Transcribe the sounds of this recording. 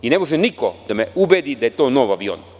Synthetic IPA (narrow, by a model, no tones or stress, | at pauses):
ine̞mo̞ʒɛnikod̪̥ameubeːd̪id̪ajet̪o̞ːnoʋaʋio̰n